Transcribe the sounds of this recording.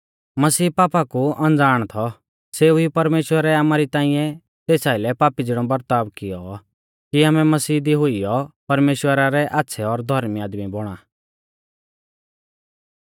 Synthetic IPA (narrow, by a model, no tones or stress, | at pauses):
mɐsiːpaːpakuɐ̃nd͡zaːɽ̃t̪ʰɔ | seːuipɐɾmeːʃwəɾɛamaːɾit̪ãːɪ̃jɛ̃ | t̪eːsaːɪlɛpaːpid͡zɪɽ̃ɔbɐɾt̪aːbkɪjɔ | kiamɛmɐsiːd̪iɦʊijɔpɐɾmeːʃwəɾaɾɛʔaːtːsʰɛɔɾd̪ʱɐɾmiaːd̪miboɽ̃aː